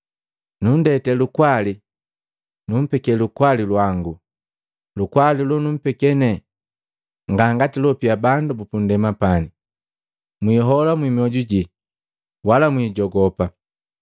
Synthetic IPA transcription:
nun̩dɛtɛlukwali | num̩pɛkɛlukwalilwaŋɡu | lukwalilɔnum̩pɛkɛnɛ | ŋɡaŋɡatilɔpiabandubupun̩dɛmapani | mwiɦɔlamwimiɔɟuɟi | walamwiːɟɔɡɔpa

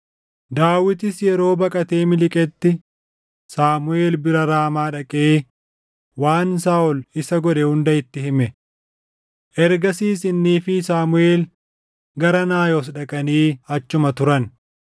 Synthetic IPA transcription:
d̪aːwɪt̪ɪsjɛɾo̞ːbɐkʼɐt̪eːmɪlɪkʼɛt̪ːɪ | saːmʊe̞ːlbɪɾɐɾaːmaːᶑɐkʼeː | waːnsaːʔɔlɪsɐɡɔᶑɛhʊnd̪ɐɪt̪ːɪɦɪmɛ | ʔɛɾɡɐsiːsɪnːiːfɪsaːmʊeːl | ɡɐɾɐnaːjoːs̬ᶑɐkʼɐniːɐt͡ʃːʊmɐt̪ʊɾɐn

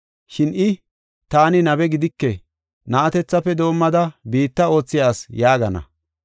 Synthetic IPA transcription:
ʃɪnʔɪ | t̪aːnɪnɐbɛɡɪd̪ɪkːɛ | nɐʔɐt̪ɛt͡sːɐpːɛd̪o̞ːmːɐd̪ɐbiːt̪ːɐo̞ːt͡sːɪjaːsjaːɡɐnɐ̰

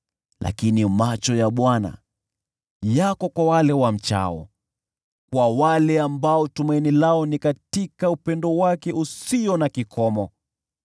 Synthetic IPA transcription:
lʔa̰kinimat͡ʃɔjaɓwana̰ | jakɔkwawalɛwam̩t͡ʃa̰ɔ̰ | kwawalɛambaɔtumainilaɔnikatikaupɛndɔwakɛʔusiɔnakikʰɔmɔ

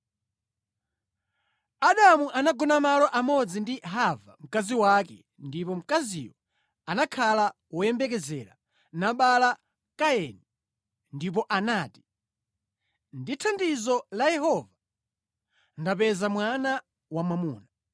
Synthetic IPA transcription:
aɗamuʔanaɡɔnamalɔʔamɔd͡zindiɦava̰m̩kaziwakɛ̰ | ndipɔm̩kaziwɔ | anakʰala | wɔjɛmbɛk̬ɛzɛ̰ːɾa̰ | naɓala | kaɛnɛ | ndip̬ɔʔanaːti̥ | nditʰandizɔlajɛɦɔːva | ndapɛzamwana | wamamuːna

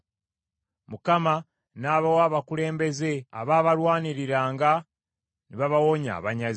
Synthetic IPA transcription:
mukama | naːβawaːβakule̞ːmbe̞ze̞a̰βaːβaɾwaːniɾiɾaːŋɡa | niβaβawoɲa̰ːβaɲaz

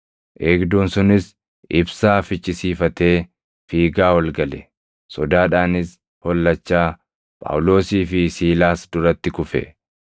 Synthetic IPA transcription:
ʔeːɡd̪uːnsʊnɪs | ɪbsaːfɪt͡ʃʼːɪsiːfɐt̪e̞ː | fiːɡaːwɐlɡɐlɛ | sɔd̪aːᶑaːnɪs | hɔlːɐt͡ʃːaː | pʼa̰wlo̞ːsiːfɪsiːlaːsd̪ʊɾɐt̪ːɪkʊfɛ̰

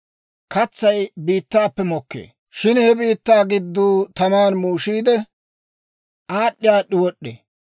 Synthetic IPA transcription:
kɐt͡sːɐjbiːt̪ːaːpːɛmɔkːḛː | ʃɪnhɛbiːt̪ːaːɡɪd̪ːuːt̪ɐmaːnmuːʃiːd̪ɛ | ʔaːɗːɪjaːɗːɪwɔɗːḛ

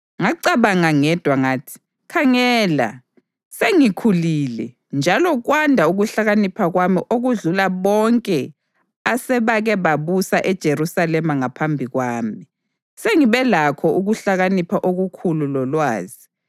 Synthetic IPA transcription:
ŋaǀaβaŋaŋɛd̥ʱwaŋaːtʰi̥ | kʰaŋɛːla̰ | seŋikʰuliːlɛ | nd͡ʒʱalɔɣwandʱauɣuɬaɣanipʰaɣwamiʔoɣuɮulaβɔŋkʼɛ | asɛβaɣɛβaβusaʔɛd̥ʒ̥ʱeɾusalɛmaŋapʰambʱiɣwaːmi | seŋiβɛlakʰɔʔuɣuɬaɣanipʰaʔoɣukʰululɔlwaːzi

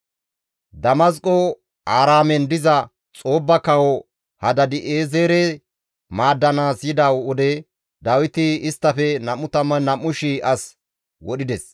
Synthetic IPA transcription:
d̪ɐmɐskʼɔ | aːɾaːmɛnd̪ɪzɐ | t͡sʼo̞ːbːɐkɐwɔ | hɐd̪ɐd̪ɪʔeːzeːɾɛ | maːd̪ːɐnaːsjɪd̪ɐwɔd̪ɛ | d̪ɐwɪt̪ɪɪst̪ːɐfɛnɐmːʊt̪ɐmɐnɐmːʊʃɪɐs | wɔɗɪd̪ɛs

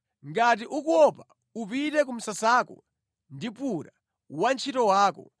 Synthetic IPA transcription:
ŋɡat̬iʔukuɔpa | upitɛk̬um̩sasakṵ | ndipuɾa | want͡ʃʰitɔwaːkɔ̰

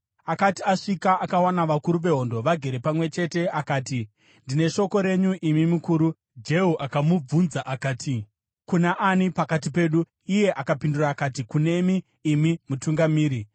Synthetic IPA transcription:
akatiaʂikaʔakawanaʋakuɾuʋe̞ɦo̞ndo̞ʋaɡʱe̞ɾe̞pamwe̞t͡ʃe̞te̞akaːti | ndine̞ʃo̞ko̞ɾe̞ɲuʔimimukuːɾu | d͡ʒe̞ɦuʔakamub͡vunzaʔakaːtʰi | kunaʔanipakat̬ipe̞ːɗu | ije̞ʔakapinduraːkat̬ikune̞miː | mimutuŋɡamiːɾi

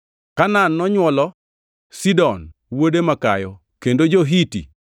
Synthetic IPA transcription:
kananːɔɲwɔlɔ | sidɔnwodemakajɔ | kendod͡ʒoɦitḭ

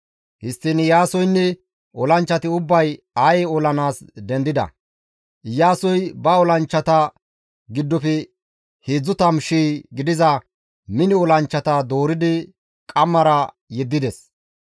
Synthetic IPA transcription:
hɪst̪ːɪnɪjaːsɔjnːɛ | ʔɔlɐnt͡ʃːɐt̪ɪʊbːɐj | ajɛɔlɐnaːsd̪ɛnd̪ɪd̪ɐ̰ | ɪjaːsɔjbɐɔlɐnt͡ʃːɐt̪ɐ | ɡɪd̪ːɔfɛ | heːd͡zːʊt̪ɐmʃiːɡɪd̪ɪzɐ | mɪnɪɔlɐnt͡ʃːɐt̪ɐd̪oːɾɪd̪ɪ | kʼɐmːɐɾɐ | jɛd̪ːɪd̪ɛs

